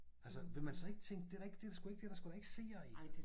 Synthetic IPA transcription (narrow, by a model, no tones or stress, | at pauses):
ælsəʋe̝mænsɒ̽e̝ɡ̥ət͡sʰeŋ̰ɡ̥̚d̥e̝dɑe̝ɡ̥d̥eɾɑ̈sɡ̥ue̝ɡ̥̚d̥ed̥ɑ̈sɡ̥uɾ̥ɑe̝ɡ̥se̝̰ːɐi